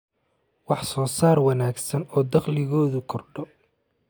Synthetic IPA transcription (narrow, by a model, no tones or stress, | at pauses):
wɑħsɔːsaːrwɑnaːɡsɐnɔːd̪ɐqlɪɣɔːðʊkʰɔrɖɔ